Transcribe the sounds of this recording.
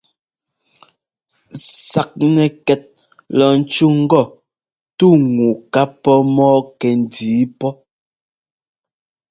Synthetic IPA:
sa˨k̚nɛ˨kɛ˨t̚ | lɔ˨n̩˨t͡ʃu˦ŋ̩˦ɡɔ˦˨ | tu˦˨ŋu˨ka˦pɔ˦mɔː˦kɛ˨n̩˨diː˨˦pɔ˦

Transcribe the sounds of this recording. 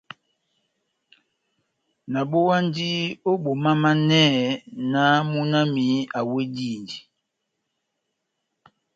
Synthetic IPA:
na˨ɓo˦wa˦n˦di˦o˦bo˨ma˦ma˦nɛ˦˨na˦mu˦na˦mi˨˦a˨we˦di˦˨ndi˨

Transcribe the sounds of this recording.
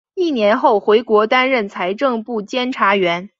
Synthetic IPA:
i˥˩njɛ˧˥nxo˥˩ʊxwe˧˥ɪkwɔ˧˥t̪a˥nɻə˥˩nt͡sʰa˧˥ɪʈ͡ʂɤ˥˧ŋpu˥˩t͡ɕjɛ˥nʈ͡ʂʰa˧˥ɥɛ˧˥n

